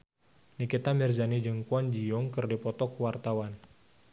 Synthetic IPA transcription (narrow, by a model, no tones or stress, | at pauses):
nikit̪amɛrzanid͡ʒɨŋkuand͡ʒiɔŋkɨrdipɔt̪ɔkwart̪awan